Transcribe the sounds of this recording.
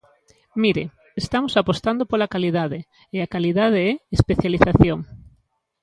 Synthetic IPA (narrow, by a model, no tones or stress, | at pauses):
miɾe | est̪amosapost̪and̪opolakaliðaðe | eakaliðað̞eɛespeθjaliθaθjoŋ